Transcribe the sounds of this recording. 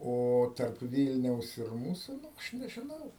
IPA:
ˈoː tɐrp ˈʋʲiːlʲnʲɛʊs ɪr ˈmuːsʊ ˈɐʃ nʲɛʒʲɪˈnɐʊ

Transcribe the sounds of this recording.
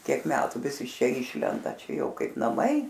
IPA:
ˈtʲiɛk ˈmʲæːtʊ ˈʋʲɪs ɪʃ ˈt͡ʃʲɛ ˈiːʃʲlʲɛndɐ ˈt͡ʃʲɛ ˈjɛʊ ˈkɐɪp nɐˈmɐɪ

